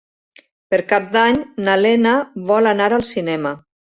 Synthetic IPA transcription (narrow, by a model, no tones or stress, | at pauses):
pəɾkap̚d̪aɲnalenəβɔlanaɾalˠsinɛmə